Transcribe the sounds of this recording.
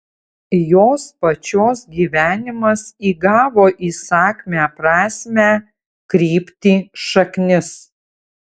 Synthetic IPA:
joːspɐt͡ʃʲoːsɡʲiːʋʲæːnʲɪmɐsiːɡɑːʋoːʔiːsɑːkʲmʲæːpɾɑːsʲmʲæː | kɾʲiːpʲt̪ʲiːʃɐknʲɪs

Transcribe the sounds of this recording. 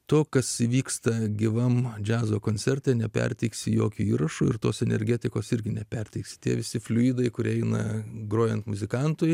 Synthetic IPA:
t̪oːkɐsiʋʲiːkst̪ɐɡʲɪʋɐmd͡ʒʲæːzoːkoːnʲt͡ssʲɛɾʲt̪ʲeːnʲɛpʲɛ̰rʲt̪ʲɛɪksʲɪjoːkʲuːiːɾɐʃuːɪrt̪o̰ːsɛnʲɛ̰ɾʲɡʲɛt̪ʲɪkoːsɪɾʲɡʲɪnʲɛpʲɛɾʲt̪ʲɛɪksʲɪ̥t̪ʲiɛʋʲɪsʲɪfʲlʲʊiːd̪ɐɪkʊɾʲɛɪnɐɡroːjɛnt̪mʊzʲɪkɐnt̪ʊj

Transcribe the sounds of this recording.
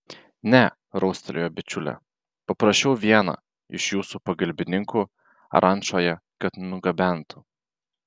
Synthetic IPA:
nʲɛ | ɾɔʊsʲt̪ʲɛlʲojobʲɪt͡ʃʲʊlʲɛ̰ | pɐpɾɐʃʲt͡ʃʲɛʊʋʲiɛnɐ̰ | ɪ̰ʃjuːsupɐɡɐlʲbʲɪnʲɪŋku | ɐ̰ɾʔɐnʲʃoːjɛkɐt̪nʊɡɐbʲæˑnt̪ʰʊ̥

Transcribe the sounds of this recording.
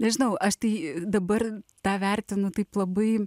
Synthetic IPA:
nʲɛʒʲɪnɐʊʔɐʃt̪ɐɪd̪ɐbɐrt̪ɑːʋʲærʲt̪ʲɪnʊt̪ɐɪplˠɐbɐɪ

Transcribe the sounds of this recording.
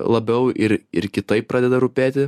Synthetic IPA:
lˠɐbʲɛʊʔɪɾɪɾkʲɪt̪ɐɪp̚pːɾʔɑːd̪ʲɛd̪ɐɾʊpʲæːt̪ʲɪ

